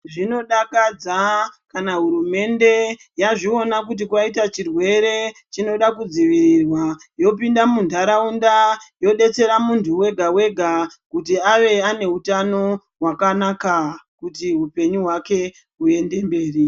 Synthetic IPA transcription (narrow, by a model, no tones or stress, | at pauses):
ʐino̞ɗakad͡zakanaɦuɾume̞nde̞ | jaʐio̞nak̬ut̬ikwaitat͡ʃirwe̞ɾe̞t͡ʃino̞ɗakud͡ziʋiɾirwajo̞pindamundʱaɾaundajo̞ɗe̞t͡se̞ɾamuntʰuwe̞ɡʱawe̞ɡʱakut̬iaʋe̞ane̞utano̞ | ɦwakanakakutiɦupe̞ɲuɦwake̞ | ue̞nde̞mbe̞ːri